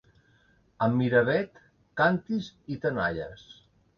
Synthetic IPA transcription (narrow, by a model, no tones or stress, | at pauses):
əmːiɾəβɛt̪ | kant̪izit̪əna̰ʎə̰s